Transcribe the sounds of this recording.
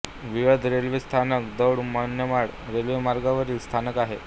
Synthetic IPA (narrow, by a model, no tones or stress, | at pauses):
ʋiʋəd̪ʱɾelʋest̪ʰanəkd̪əwɽmənjəmaɽɾelʋemaɾɡaʋəɾiːlst̪ʰanəkaɦe